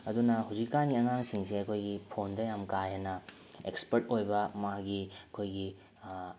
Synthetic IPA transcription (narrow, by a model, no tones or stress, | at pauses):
ɐdunɐɦawzikːaniɐŋaŋsiŋseɐkʰojɡipʰondɐjamkajɐnɐ | ekspɐɾtojbɐmaɡiɐkʰojɡi